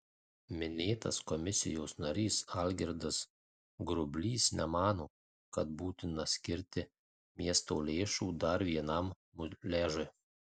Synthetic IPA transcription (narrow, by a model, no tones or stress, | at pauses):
mʲɪnʲeːt̪ɐ̰skɔmʲɪsʲɪ̰joːsnɐɾʲiːsɐlʲɡʲɪɾd̪ɐs | ɡɾʊbʲlʲiːsnʲɛmɑːnoː | kɐt̪̚buːt̪ʲɪnɐsʲkʲɪɾʲt̪ʲɪ | mʲiɛst̪oːlʲeːʃuːd̪ɐɾʋʲiɛnɐm | mʊlʲeːʒʊj